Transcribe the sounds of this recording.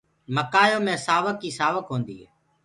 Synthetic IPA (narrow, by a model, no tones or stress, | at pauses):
məkaːjoːmẽːsaːʋəkːiːsaːʋəkɦõːnd̪ḭːɦɛ̰ː